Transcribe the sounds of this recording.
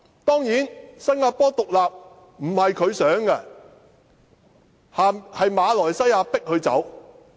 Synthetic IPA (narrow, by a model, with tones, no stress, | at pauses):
t̪ɔː˥ŋjiː˨˥nsɐ˥ŋŋaː˧pɔː˥t̪ʊ˨k̚laː˨p̚ | m̩˨˩hɐ˨jkʰɵ˨˧ɥsœː˨˥ŋkɐ˧ | haː˨˧hɐ˨jmaː˨˧lɔː˨˩jsɐ˥jaː˧pɪ˥k̚hɵ˧ɥt͡sɐ̰˨˥w